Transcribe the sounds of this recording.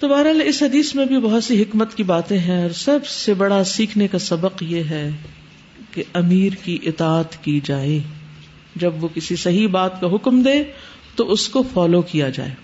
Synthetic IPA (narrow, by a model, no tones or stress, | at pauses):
t̪obaːɾaːlɪsɦɐd̪iːsmẽbʱibɐɦʊt̪siɦɪkmət̪kibaːt̪ẽɦɛ̃ɔːɾsɐbsebɐɽasiːkʰnekasɐbəqjeɦɛ | keɐmiːɾkiʔɪt̪aːt̪kid͡ʒaːeː | d͡ʒɐbʋokɪsisɐɦibaːt̪kaɦʊkmd̪eː | t̪oʔʊskofɔːlokijad͡ʒa̰ːḛː